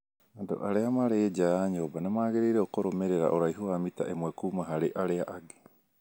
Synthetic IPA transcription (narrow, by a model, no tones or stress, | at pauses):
ando̰ʔaɾeamaɾeed͡ʒaɲoːbanemaːɡeɾeiɾeokoɾomeɾeɾa̰ʔoɾaiɦoamita̰ʔemwekuːmaɦaɾeʔaɾeaʔaɡe̥